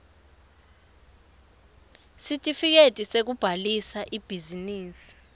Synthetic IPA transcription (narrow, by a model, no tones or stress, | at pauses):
sitʼifik̬etʼisek̬ub̥ʱalisaʔib̥ʱiziniːsi̥